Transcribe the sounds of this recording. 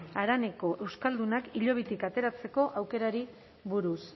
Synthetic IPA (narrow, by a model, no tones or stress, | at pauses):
aɾane̞ko̞ʔe̞wskald̪unakiʎo̞β̞it̪ikat̪e̞ɾat͡se̞ko̞ʔawke̞ɾaɾi | βuɾus